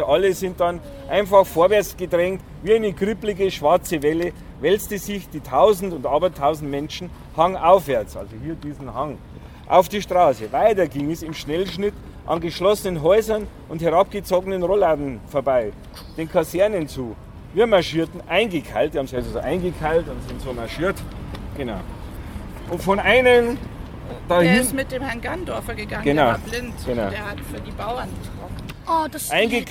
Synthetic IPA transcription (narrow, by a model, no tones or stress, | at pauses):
ʔɑləzɪnt̚d̥ɑn | ʔaɪnfɑxfoːɐvɛɐt͡sɡ̥ədʁɛŋkt | viːaɪnəɡʁɪplɪɡəʃv̥aɐt͡səvɛlə | vɛlstəzɪçd̥iːtʰaʊzn̩tʊndɑːbɐtʰaʊzn̩tmɛnʃn̩ | haŋʔaʊfvɛɐt͡sʔa̰lzohiːɐdiːzn̩haŋ | ʔa̰ʊfd̥iːʃtʁaːsəvaɪtɐɡiŋɛsɪmʃnɛlʃnɪt | ʔɑ̰nɡəʃlɔsənənɦɔʏzɐnʔʊnthɛʁɑp̚ɡ̥ət͡soːɡənənʁolaːdn̩foːɐbaɪ | d̥eːnkʰasɛɐnənt͡suː | viːɐmaɐʃiːɐtn̩ʔaɪnɡəkʰaɪltihɑmsɛszoʔaɪnɡəkʰaɪltʊnsɪntsoːmaɐʃiːɐtɡ̥enaʊ | ʔʊntfɔnʔaɪnən | d̥ɑːhɪnsmɪt̚d̥eːmhɛɐnɡandɔɐfɐɡəɡaŋɡenaʊblɪntɡ̥enaʊeɐhatfyːɐdiːbaʊɐnɪçɡ̥ɔ | ʔad̥asʔaɪ̃nɡə